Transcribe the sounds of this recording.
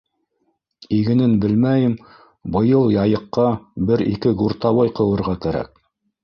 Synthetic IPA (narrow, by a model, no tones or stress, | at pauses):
iɡɘ̆nɘnbɘlmæjɘm | bɤ̆jɤlˠjɑjɤ̆qːɑbɘɾḭkɘɡuɾt̪ɑwɑjqɤ̆wɤ̆ɾʁɑkæɾæ̰k̚